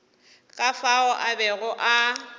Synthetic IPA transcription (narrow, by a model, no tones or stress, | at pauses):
kʼafaɔʔabɛɣʊʔa